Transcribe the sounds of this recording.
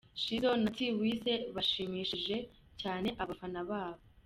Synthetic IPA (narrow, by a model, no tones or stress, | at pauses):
ʃizo̞natiwiːse̞βaʃiːmiːʃiʒe̞ | caːne̞ʔaβafanaβaːβo